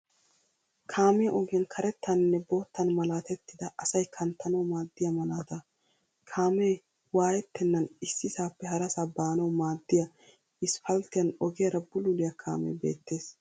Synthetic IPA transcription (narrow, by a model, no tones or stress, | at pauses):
kʰaːmɛʔɔɡɪjɐnkʰɐɾɛt̪ʰːɐnnːɛbo̞ːt̪ːɐnmɐlaːt̪ɛt̪ːɪd̪ɐʔɐsɐjkʰɐnt̪ːɐnɐwmaːd̪ːɪjɐmɐlaːt̪a | kʰaːmɛː | waːjɛt̪ːɛnːɐnɪsːɪsaːpːɛhɐɾɐsaːbaːnɐwmaːd̪ːɪjɐ | ʔɪsfɐlt̪ːɪjɐnɔɡɪjɐɾɐbʊlʊlɪjɐkʰa̰ːmɛ̰bḛːt̪ːe̞ːs